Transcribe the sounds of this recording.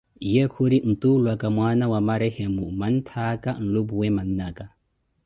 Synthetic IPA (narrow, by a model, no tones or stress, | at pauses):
jɛkʰuɾin̩tʼulwakʼamwanawamaɾɛhemuman̩tʰakʼan̩lubuwɛman̩ːaːkʼa